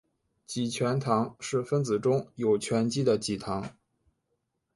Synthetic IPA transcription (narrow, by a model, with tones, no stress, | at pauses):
t͡ɕi˨˩t͡ɕʰɥɛ˧˥nt̪ʰɑ˧˥ŋʂɻ̩˥˩fə˥nt͡sɹ̩˨˩ʈ͡ʂʊ˥ŋjo˨˩ʊt͡ɕʰɥɛ˧˥nt͡ɕi˥d̪ə˨t͡ɕi˨˩t̪ʰɑ˧˥ŋ